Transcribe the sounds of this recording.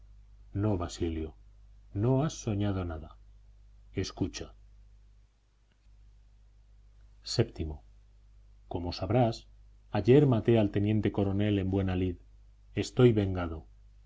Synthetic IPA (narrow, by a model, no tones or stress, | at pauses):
no̞βasiljono̞asːo̞ɲað̞o̞naða | e̞skut͡ʃa | se̞pt̪imo | ko̞mo̞saβɾas | aʎe̞ɾmat̪ealt̪e̞njẽ̞nt̪e̞ko̞ɾo̞ne̞le̞mbwe̞nalið | e̞st̪o̞jβe̞ŋɡað̞o̞